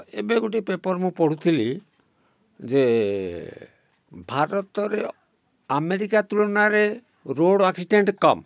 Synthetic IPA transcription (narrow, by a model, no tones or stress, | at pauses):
ḛbeɡuʈipepɔɾmũpɔɽ̤ut̪ʰili | d͡ʒe | bʱaɾɔt̪ɔɾe | ameɾikat̪uɭɔnaɾe | ɾoɽaksiɖeɳʈkɔm